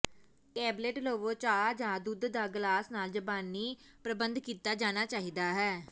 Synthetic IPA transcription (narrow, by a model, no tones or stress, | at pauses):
ʈɛːbleʈloːʋõːt͡ʃaːd͡ʒãːd̪ʊd̪ːaːɡlaːsnaːld͡ʒəbaːniːpɾəbənd̪kiːt̪aːd͡ʒaːñaːt͡ʃaːɦiːd̪aːɦɛː